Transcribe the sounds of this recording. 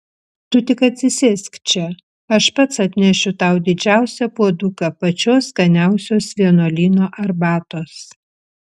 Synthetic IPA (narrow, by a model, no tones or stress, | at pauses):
t̪ʊt̪ʲɪkɐt̪ʲsʲɪsʲɪsʲkt͡ʃʲɛ | ɐʃpɐt̪sɐt̪ʲnʲɛʃʲʊt̪ɐʊd̪ʲɪd͡ʒʲæˑʊsʲɛpuɔd̪ʊkɐpɐt͡ʃʲoːskɐnʲæˑʊsʲoːsʋʲiɛnoːlʲiːnoːʔɐɾbɑːt̪oːs